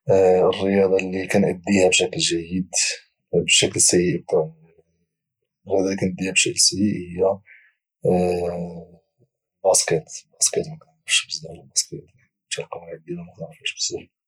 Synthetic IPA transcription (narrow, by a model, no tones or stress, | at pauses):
ərːəjɑd̪ˤɑlːikænʔəd̪ːihæbʃæklʒæjːəd̪ | bʃæklsæjiʔək̚t̪ɑɾ | rəjɑd̪ˤɑlikænəd̪ːihæbʃæklsæjiʔhəjːæ | bɑskæt̪bɑskæt̪mækænɑʃbəzd̪ælbɑskæt̪ | t̪ælqɑmalʕəd̪id̪æmækɑɾfæʃbə̥səf